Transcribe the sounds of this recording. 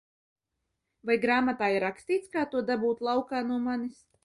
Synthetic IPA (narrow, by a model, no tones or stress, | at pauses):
vajɡɾaːmat̪aːiɾaksʲt̪iːt̪skaːt̪uɔd̪abuːt̪lˠawkaːnuɔmanis